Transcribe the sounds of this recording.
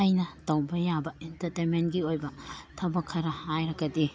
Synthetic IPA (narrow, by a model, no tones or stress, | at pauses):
ajnɐtɐwbɐjabɐentɐɾtement̚ɡiojbɐtʰɐbɐkʰɐɾɐhajɾɐɡɐdi